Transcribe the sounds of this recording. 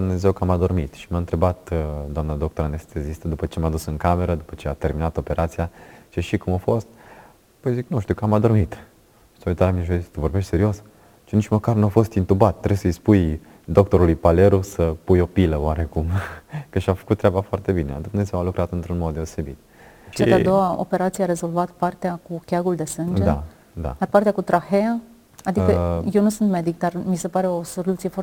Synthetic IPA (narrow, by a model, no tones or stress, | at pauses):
d̪umne̞ze̞wkamad̪o̞rmit̪ʃimaɨnt̪ɾe̞bat̪d̪owamnad̪o̞k̚t̪o̞ɾanest̪ezist̪əd̪upət͡ʃemad̪usɨŋkame̞ɾəd̪upət͡ʃe̞at̪e̞rminat̪o̞pe̞ɾat̪siat͡ʃeʃikumofo̞st̪̚ | pəjziknuʃt̪iuwkamad̪o̞rmit̪ | soet̪aɾamineʒoisə̥t̪əvo̞rbeʃt̪se̞ɾio̞s | t͡ʃinit͡ʃməkarnuafo̞st̪int̪ubat̪t̪ːɾesəjspuj | d̪o̞k̚t̪o̞ɾulujpaleɾusəpujo̞piləwaɾekumkəʃiafə̥kut̪ːɾʲeabafoart̪e̞bined̪umnezewalukɾat̪ɨnt̪ɾunmo̞d̪d̪e̞ose̞bḭt̪̚ | ʃt͡ʃaad̪o̞wao̰pe̞ɾat̪sijeaɾe̞zo̞lvat̪part̪eakukʲjaɡuld̪e̞sɨnd͡ʒdea | d̪a̰arpart̪eakut̪ɾaxea | ad̪iəjewnusunt̪me̞d̪ik̚d̪armise̞paɾe̞o̞so̞lut̪sije̞foar